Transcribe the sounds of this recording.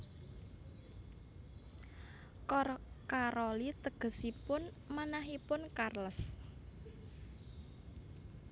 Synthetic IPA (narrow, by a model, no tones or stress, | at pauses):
kɔrkaɾɔlit̪əɡ̥ə̤sipʊn | manaɦipʊnkarlɔs